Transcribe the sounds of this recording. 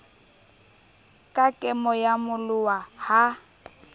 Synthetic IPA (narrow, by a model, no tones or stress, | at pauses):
kʼakʼɛmɔjamʊlʊwaha